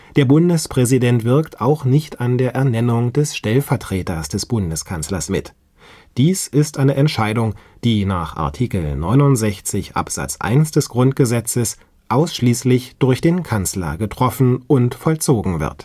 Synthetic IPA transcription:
d̥eːɐbʊndəspʁ̥ɛzidɛntv̥ɪɐktaʊxnɪçtandeːɐʔɛɐnɛnʊŋdɛsʃtɛlfɛɐtʁ̥eːtɐsd̥ɛsb̥ʊndəskʰanslɐsmɪ̰t | d̥iːsɪstʔaɪnəʔɛntʃaɪdʊŋ | d̥iːnaːχʔa̰ɐtʰiːkl̩nɔʏnʊntz̥ɛçt͡sɪçʔa̰pz̥a̰t͡sʔa̰ɪnsd̥ɛsɡ̥ʁʊntɡ̥əzɛt͡səs | ʔaʊsʃliːslɪçd̥ʊɐçd̥eːnkʰant͡slɐ̰ɡətʁ̥ɔfn̩ʔʊntfɔlt͡soːɡŋ̩vɪ̰ɐt

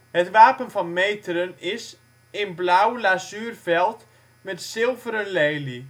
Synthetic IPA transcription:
hətʋaːpənfɔnmeːtəɾənɪs | enblawlasyːrfɛlˠt | mɛtsɪlˠvəɾəlɛjli

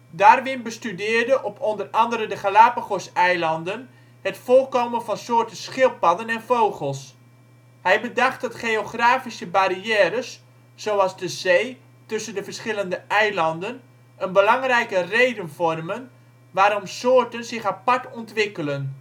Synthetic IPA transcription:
daːrʋɪnbəstydɪːrdəʔɔpɔndərɑndəɾədəχalaːpəχɔsɛjlɑndən | hətfolˠkowmənfɑnsʊːrtəsχɪlˠpɑdənɛnfowχəlˠs | hɛjbədɑχt̚dɑtχeoχraːfisəbaɾiɛːɾəsː | owɑlˠzdəzeː | tɵsəndəfərsχɪləndəʔɛjlɑndən | ənbəlɑŋrɛjkərejdənfɔrmən | ʋaːɾɔmsʊːrtənzɪxapaɹtɔntʋɪkələn

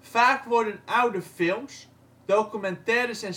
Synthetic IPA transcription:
faːkʋʊɹdənʔawdəfɪlˠms | dokymɛntɛːɾəsɛn

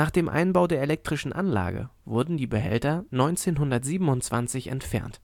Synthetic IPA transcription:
naːχd̥eːmʔa̰ɪnbaʊdeːɐelɛk̚tʁ̥ɪʃn̩ʔanla̰ːɡə̰vʊɐdn̩diːbəɦɛ̰ltɐnɔʏnt͡seːnɦʊndɐtz̥iːbm̩ʊntt͡sv̥ant͡sɪçɛ̰ntfɛ̰ɐnt

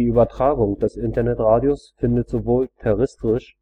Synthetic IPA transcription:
iːʔyːbɐtʁ̥aːɡʊŋd̥ɛsʔɪntɐnɛtʁaːdjosfɪndətz̥ovoːltʰɛʁɪstʁɪʃ

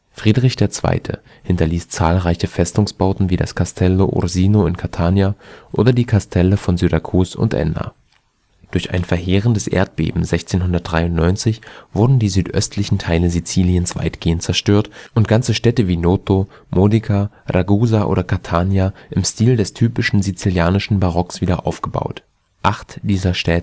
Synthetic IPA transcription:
fʁ̥iːdʁɪçd̥eːɐt͡sv̥a̰ɪtʰə̰ | hɪntɐliːst͡saːlʁaɪçəfɛstʊŋsb̥aʊtn̩viːda̰skʰastʰɛloʔʊ̰ʁziːnoɪnkʰaɐtʰaːnjaʔo̰ːdɐdiːkʰastʰɛləfɔnzyʁakʰuːsʊ̰ntʔɛ̰na̰ | d̥ʊɐça̰ɪnfɛɐɦeːʁ̞əndəsʔḛːɐt̚b̥ḛːbm̩zɛçt͡seːnɦʊndɐt̚d̥ʁaɪʊntnɔʏnt͡sɪçv̥ʊɐdn̩diːzyːtʔœstʰlɪçn̩tʰaɪləzit͡siːliənsv̥a̰ɪtɡ̥eːənt̚t͡sɛɐʃtøːɐtʔʊntɡ̥ant͡səʃtɛtəviːnoːto | mʔoːnikʰa | ʁaɡuːzaʔo̰ːɾɐkʰaɐtʰaːnjaʔɪmstiːldɛstʰyːpɪʃn̩zit͡siljaːnɪʃn̩baʁɔksv̥iːdɐʔa̰ʊfɡ̥əba̰ʊt | ʔaχtd̥iːzɐʃtɛːtə

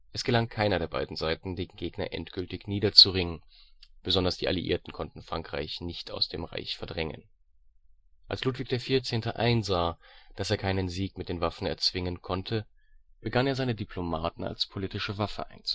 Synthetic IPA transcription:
ʔɛsɡ̥əlaŋkʰaɪnɐdeːɐba̰ɪdn̩zaɪtn̩deːɡn̩ɡeːɡnɐ̰ʔɛ̰ntɡ̥ʏltɪçniːdɐt͡suʁɪŋənb̥əzɔndɐsd̥iːʔa̰lḭʔḭːɐtn̩kʰɔntn̩fʁ̥aŋkʁ̥a̰ɪçnɪçta̰ʊsd̥ḛːmʁa̰ɪçfɛɐdʁɛŋə̰n | ʔa̰lsluːtv̥ɪç̚d̥eːɐfiːɐt͡seːntəʔa̰ɪnzaːd̥aseːɐkʰaɪnənziːkmɪt̚d̥eːnvafn̩ɛɐt͡sv̥ɪŋənkʰɔntʰə | b̥əɡaneːɐzaɪnədipʰl̥omaːtn̩a̰lspʰolitɪʃəvafə̰ʔa̰ɪnt͡su̥

